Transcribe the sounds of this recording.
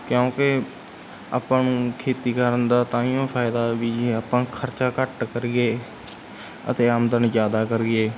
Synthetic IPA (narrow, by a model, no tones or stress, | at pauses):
kjõːkɪ | aːpãːnũːkʰeːt̪iːkəɾənd̪aːt̪ãːijõːpʰaːɪd̪aːʋiːaːpãːkʰəɾt͡ʃaːkəʈkəɾɪeː | ə̰t̪eːaːmd̪ənzjaːd̪aːkəɾiɡeː